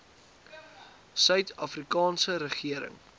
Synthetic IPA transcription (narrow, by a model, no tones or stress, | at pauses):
sœɥtɐfrikɑːnsəɾəχiəɾə̰ŋ